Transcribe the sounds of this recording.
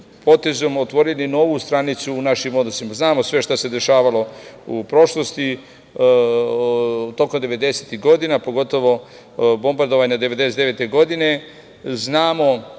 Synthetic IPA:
po̞t̪e̞zo̞mot̪ʋo̞ɾenino̞ʋust̪ɾanit̪suːnaʃimo̞d̪no̞simaznaːmo̞sʋe̞ʃt̪ase̞d̪e̞ʃaːʋalo̞upɾo̞ʃlost̪i | t̪o̞ko̞md̪eʋe̞d̪e̞set̪iɦɡo̞d̪inapo̞ɡo̞t̪o̞ʋo̞ | bo̞mbaɾd̪o̞ʋaɲad̪eʋe̞d̪eset̪eʋet̪eɡo̞d̪ine̞ | znaːmo̞

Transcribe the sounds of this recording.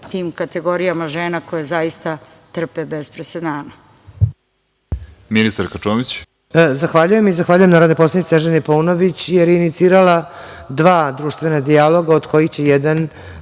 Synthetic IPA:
t̪iːmkat̪eɡo̞ɾijamaʒeːnakojazaist̪a | t̪r̩pebespɾesed̪aːna | minist̪aɾkat͡ʃoːmit͡ɕ | zaxʋaːʎuje̞mizaxʋaːʎujemnaːɾod̪nopo̞slaniseɛʒenepounoʋit͡ɕjeɾjeinit̪siːɾalad̪ʋaːd̪ɾuːʃt̪ʋe̞nad̪ialˠo̞ɡaod̪ko̞jixt͡ɕejɛd̪an

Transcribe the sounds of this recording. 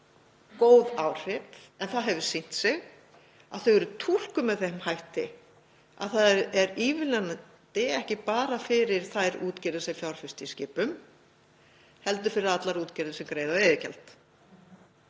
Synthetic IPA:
koːwðaːwr̥ɪp̪ | ɛnθaðɦɛvʏ̥sin̥t̪sɛɣ | a̰ðθœɥɣɛɾʏt̪ʰul̥kʏmːɛðθejhmhajht̪ɪ | a̰ðθaðɛɾiːvɪlɛna | t̪ɪɛhcɪpaːɾafɪɾɪɾ̥θajɾuːt̪cɛɾðɪsɛɣfjawɾ̥fɪst̪ɪiscɪːpʏm | hɛl̪t̪ʏɾfɪɾɪɾðat̪laɾuːt̪cɛɾðɪsɛmkɾeːjðaeːjðɪcɛ̰lt̪

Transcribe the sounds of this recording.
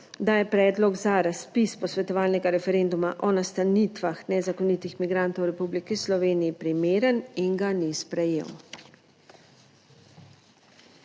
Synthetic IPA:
d̪ajɛpɾɛːd̪lɔɡzaɾaspispɔsʋɛt̪ɔʋaːlnɛɡaɾɛfɛɾend̪umaʔɔnast̪aniːt̪ʋaxnɛzakɔnit̪ixmiɡɾant̪ɔwɾɛpublikislɔʋeːnijipɾimeːɾəniŋɡanispɾɛjḛw

